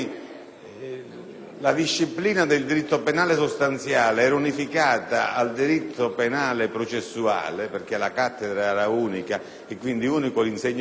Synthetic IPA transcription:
lad̪iʃːipliːnad̪ɪld̪iɾit̪ːopenaːlesost̪ant̪sjaːleɛːɾaunifikaːt̪a̰ald̪iɾit̪ʰːopenaːlepɾot͡ʃesːua̰ːleperk̟ɛlakat̪ːed̪ɾaɛɾauːnika | ɛkːwind̪iuːnikolinsɛɲː

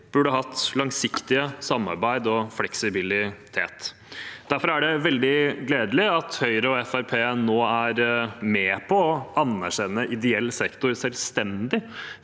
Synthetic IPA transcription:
b̥ʉɖəɦɑt̪lɑŋsɪkt̪ɪəsɑmːɑ̰ɾbæɪd̪ɔflɛksɪbɪlɪt̪ʰḛːt̪ | d̪̥æɾfɔɾæɖɛʋɛld̪ɪɡleːd̪lɪɑt̪hœʏɾəɔɛfæɾpʰeːnoːæɾmeːpʰɔːʔɑnæɾɕɛnːəʔɪd̪ɛɛlːsɛkt̪ʊɾsɛlst̪ɛnd̪ɪ

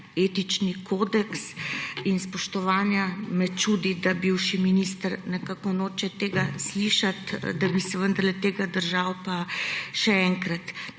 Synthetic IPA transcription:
eːt̪it͡ʃnikoːd̪ɛksinspɔʃt̪ɔʋaːnjamɛt͡ʃud̪id̪abiwʃiminist̪əɾnɛkakɔnoːt͡ʃɛt̪eːɡasliʃat̪d̪abisɛʋənd̪ɐɾlɛt̪eːɡad̪əɾʒawpaʃɛɛŋkɾat̪

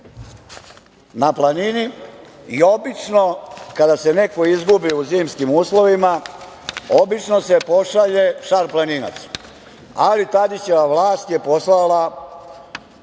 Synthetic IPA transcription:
naplˠaniniio̞bit͡ʃno̞kad̪ase̞ne̞ko̞izɡubiuziːmskimuːslˠo̞ʋima | o̞bit͡ʃno̞se̞po̞ʃaʎe̞ʃaɾplˠanina̰t̪s | alit̪ad̪it͡ɕeʋaʋlaːst̪je̞po̞slala

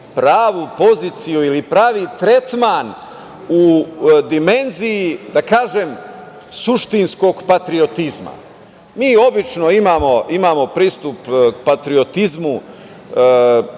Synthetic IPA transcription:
pɾaːʋupo̞ziːt̪sijuilipɾaːʋit̪ɾe̞t̪man | ud̪ime̞nziːd̪akaːʒem | suʃt̪insko̞ɡpat̪ɾio̞t̪izma̰ | miːo̞bit͡ʃno̞imaːmo̞imaːmo̞pɾiːst̪upkpat̪ɾiot̪izmu

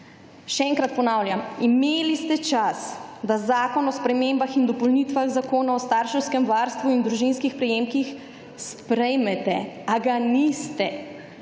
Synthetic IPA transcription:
ʃɛɛŋkɾat̪̚pɔnaːwljamimeːlist̪ɛt͡ʃasd̪azaːkɔnɔspɾɛmembaxind̪ɔpɔlnit̪ʋaɣzakoːnaɔst̪aɾʃɛwskɛmʋaɾst̪ʋuind̪ɾuʒinskixpɾɛjeːmkix | spɾɛjmɛt̪ɛaɡanist̪ɛ

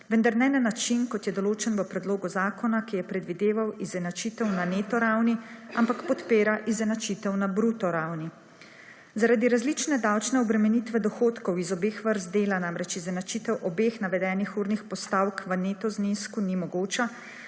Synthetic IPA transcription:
ʋənd̪aɾnɛnanat͡ʃinkɔt̪jɛd̪ɔloːt͡ʃɛnʋəpɾɛd̪loːɡɔzaːkʰɔnakijɛpɾɛd̪ʋid̪eːʋawizɛnat͡ʃit̪ɛwnaneːt̪ɔɾawniampakpɔt̪peːɾaʔizɛnat͡ʃit̪ɛwnabɾut̪ɔɾawni | zaɾad̪iɾazlit͡ʃnɛd̪awt͡ʃnɛɔbɾɛmɛnit̪ʋɛd̪ɔxoːt̪kɔwizɔbeːxʋəɾzd̪eːlanamɾɛt͡ʃizɛnat͡ʃit̪ɛwʔɔbeːxnaʋɛd̪ɛːnixuːɾnixpɔst̪awkʋəneːt̪ɔzniskunimɔɡoːt͡ʃa

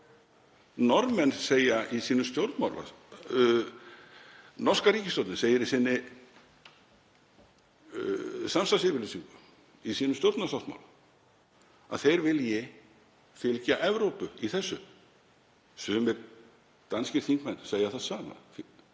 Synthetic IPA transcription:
nɔɾmɛnseːjaisiːnʏst̪jowɾt̪ma̰wla̰ | nɔr̥skaɾiːcɪst̪ɔwɾt̪nɪseːjɪɾɪsɪnːɪ | samst̪ansɪvɪɾlesiŋkʏ | isiːnʏmst̪jowɾt̪nasawt̪ma̰wla | a̰ðθejɾvɪljɛ | fɪlcaʔɛvɾowpʏiθɛsːʏ | sʏːmɛɾ | t̪anscɪɾ̥θiŋkmɛnːseːjaθaðsaːma̰

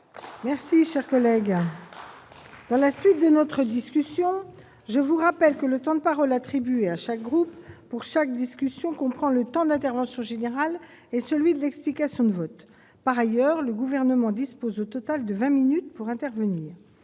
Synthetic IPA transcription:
mɛʁsiʃɛʁkɔlɛɡ | d̪̥ɑ̃lasɥit̪̚d̪ənɔt̪χəd̪iskʲysjɔ̃ | ʒəvuʁapɛlkələt̪ɑ̃d̪əpaʁɔlat̪χibyeaʃak̚ɡʁupː | uʁʃak̚d̪iskʲysjɔ̃kɔ̃pχɑ̃lət̪ɑ̃d̪ɛ̃t̪ɛʁvɑ̃sjɔ̃ʒeneʁal | ɛsəlɥid̪əlɛksplikasjɔ̃d̪əvɔt̪ | paʁajœʁləɡuvɛʁnəmɑ̃d̪ispozot̪ɔt̪ald̪əvɛ̃minyt̪puʁɛ̃t̪ɛʁvəniːʁ

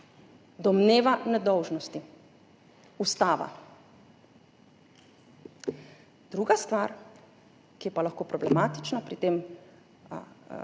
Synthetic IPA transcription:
d̪ɔmneːʋanɛd̪ɔwʒnɔst̪i | ust̪aːʋa̰ | d̪̥ɾuɡast̪ʋaːɾ | kijɛpalaxkoːpɾɔblɛmaːt̪i̥t͡ʃnapɾit̪eːm

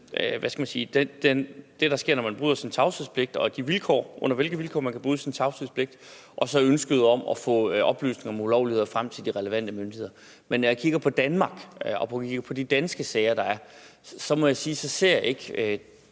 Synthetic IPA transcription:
ʋʔæsɡ̥æmænsiːd̥ed̥end̥e̝ɾ̥ɑ̈sɡ̥e̝ɐ̰nɒmænb̥ʁyːðˠɐsint͡sʰɑ̈ʊsiðˠspʰle̝ɡ̥d̥ɒ̽d̥iʋilkʰɒ̰ːʔɔ̽n̰ɐʋe̝lɡ̥ð̩ʋilkʰɒ̰ːmænkʰæb̥ʁyːsint͡sʰɑ̈ʊsiðˠspʰle̝ɡ̥d̥ | ʔɒ̽sɒ̽ønsɡ̥əðˠɒ̽mɒfɔ̰̽ːʔɒ̽b̥ly̰ːsne̝ŋɐɒmeulɒʊlihe̝ðˠfʁam̰t͡sʰe̝ld̥iʁɛləʋæn̰d̥əmønd̥ihe̝ð̰ˠɐ | menɒjakʰiɡ̥ɐpʰɒ̽d̥ænmɑ̈ɡ̥ɒ̽pʰɒkʰiɡ̥ɐpʰɒ̽d̥id̥ænsɡ̥əsɛɪɐd̥ɑ̈æɐsɒ̽mɒ̽jɑ̈siːsɒ̽se̝ɐ̰jae̝ɡ̥ø

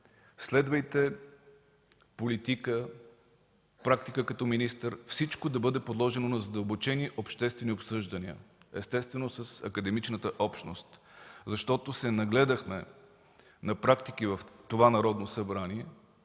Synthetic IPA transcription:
slɛd̪vɐjt̪ɛ | polit̪ikə | pɾak̚t̪ikəkɐt̪ɔminist̪əɾfsit͡ʃkod̪ɐbɤd̪ɛpod̪lˠɔʒɛnonɐzɐd̪əlˠbot͡ʃɛniʔopʃt̪ɛst̪vɛniopsɤʒd̪ɐniə̰ɛst̪ɛst̪vɛnosəsɐ̰kəd̪ɛmit͡ʃnət̪əʔɔpʃnost̪zɐʃt̪ɔt̪osɛnɐɡlɛd̪əxmɛ | nɐpɾakt̪ikivəft̪ovanɐɾɔd̪nosɐbɾaniɛ

